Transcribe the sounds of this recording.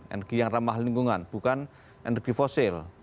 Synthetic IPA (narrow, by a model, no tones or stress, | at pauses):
ʔɛ̰nɛrɡ̥i̤jaŋramahliŋɡuŋanb̥ṳkan | ʔɛnɛrɡ̥i̤fɔsɪl